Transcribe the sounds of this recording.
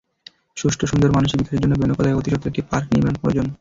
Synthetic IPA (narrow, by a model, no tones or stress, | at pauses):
ʃuʃʈʰoʃund̪oɾmanuʃibik̪ʰaeɾd͡ʑonːobʱenopalaeot̪iʃot̪ːoekʈːipaɾkniɾmeonpɔɾd͡ʑon